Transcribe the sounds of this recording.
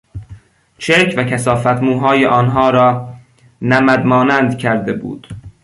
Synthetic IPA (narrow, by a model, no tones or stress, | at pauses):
t͡ʃʰeɾcʰvækʰæsɒːfæt̪ʰmuːɦɒːjeʔɒːnɦɒːɾɒː | næmæd̪mɒːnænd̪cʰæɾd̪ebṵːd̪̥